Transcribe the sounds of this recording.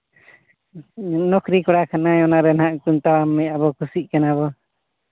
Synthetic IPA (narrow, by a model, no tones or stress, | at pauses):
nɔkʰɾikɔɽakʰanajɔnaɾɛnhaʔkunt̪awamːɛabɔkusiʔ̚ˀkanaβɔ